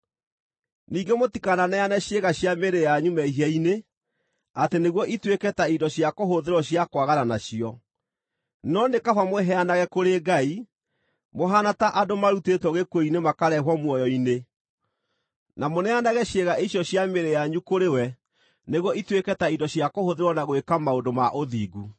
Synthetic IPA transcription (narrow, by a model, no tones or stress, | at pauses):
niːɡemotikananɛjanɛɕeɣaɕjameɾejaɲumɛiɦiaine | ateneɣwɔʔitwekɛtaidɔɕjakoɦoðeɾɔɕjakwaɣananaɕiɔ | nɔnekafamwɛɦɛanaɣɛkoɾeːɡai | moɦanataʔadomaɾutetwɔɣekoinemakaɾɛɦwɔmwɔjɔine | namonɛanaɣɛɕeɣaʔiɕjɔɕjameɾejaɲukoɾewɛ | neɣwɔitwekɛtaidɔɕjakohoðeɾwɔnaɣwekamaodoma̰ʔoðḭːɡu